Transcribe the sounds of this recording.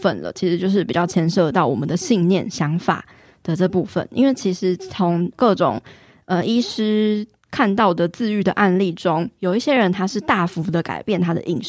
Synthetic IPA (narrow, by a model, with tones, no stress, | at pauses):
fə̰˨nlə̰˩t͡ɕʰi˧˥ʂɻ̩˧˥t͡ɕjo˥˧ʊʂɻ̩˥˩pi˨˩t͡ɕjɑ˥˩ʊt͡ɕʰjɛ˥nʂɤ˥˧t̪ɑ˥˩ʊwɔ̰˨˩mə˨˦nd̪ə˨ɕi˥˧ŋnjɛ˥˩nɕjɑ˧˥ŋfa̰˨˩ | d̪̥ə˨ʈ͡ʂɤ˥˧pu˥˩fə̰˨˩nḭ˥nwe˥˩ɪt͡ɕʰi˧˥ʂɻ̩˧˥t͡sʰʊ˧˥ŋkɤ˥˩ʈ͡ʂʊ̰˨˩ŋ | ə˧i˥ʂɻ̩˥ | kʰa˥˧nt̪ɑ˥˩ʊd̪ə˩t͡sɹ̩˥˧y˥˩d̪ə˩ʔa˥˧nli˥˩ʈ͡ʂʊ˥ŋjo˨˩ʊi˥˩ɕjɛ˦˥ɻə˧˦nt̪ʰa˥ʂɻ̩˥˧t̪a˥˩fu˧˥d̪ə˨ka̰˨˩ɪpjɛ˥˩nt̪ʰa˥d̪ə̰˨ʔi˥˧ŋ˨